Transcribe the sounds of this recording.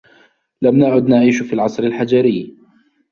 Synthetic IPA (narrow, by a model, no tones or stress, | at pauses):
lamnaʕʊd̪naʕiːʃʊfiːlʕɑsˤɾalħad͡ʒaɾɪj